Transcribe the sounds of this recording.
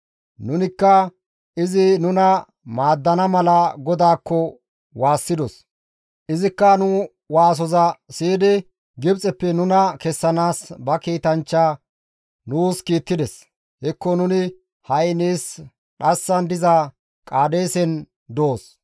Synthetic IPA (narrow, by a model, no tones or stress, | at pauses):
nʊnɪkːɐ | ʔɪzɪnʊnɐ | maːd̪ːɐnɐmɐlɐɡɔd̪aːkːɔ | waːsːɪd̪ɔs | ʔɪzɪkːɐnʊ | waːs̬ɔzɐsiːd̪ɪ | ɡɪbt͡sʼɛpːɛnʊnɐkɛsːɐnaːsbɐkiːt̪ɐnt͡ʃːa | nuːskiːt̪ːɪd̪ɛs | hɛkːɔnʊnɪ | hɐjniːs | ɗɐsːɐnd̪ɪza | kʼaːd̪eːsɛn | d̪oːs